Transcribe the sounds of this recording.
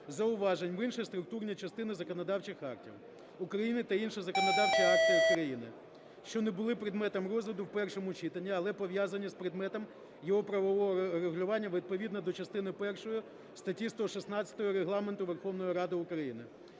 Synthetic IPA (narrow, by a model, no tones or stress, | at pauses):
zɐʊʋɑʒenʲʋɪnʃijst̪ɾʊk̚t̪urnʲit͡ʃɐst̪ɪnɪzɐkɔnɐd̪ɑwt͡ʃɪxɑ̰rtʲḭw | ʊkɾɐjinɪt̪ɐinʃɪzɐkɔnɔd̪ɑwt͡ʃʲiɑrtʲijɐukɾɐjinɪ | ʃt͡ʃɔnebʊlˠɪpɾɪd̪mɛt̪ɔmrɔzʋʲɪd̪ʊwpɛrʃɔmʊt͡ʃit̪ɐnʲːiɐlˠɛpɔʋʲjazɐnʲːispɾɪd̪mɛt̪ɔm | jɔɦɔpɾɐʋɔʋɔɦɔɾeɦʊlʲʊʋɑnʲːɐʋʲid̪̚pɔʋʲid̪nɔd̪ɔt͡ʃɐst̪ɪnɪpɛrʃɔjʊ | st̪ɐtʲist̪ɔʃisnɑt͡sʲɐt̪ɔɦɔɾeɦlˠɑmnt̪ʊʋerxɔʋnɔjiɾɑd̪ɪʊkɾɐjinɪ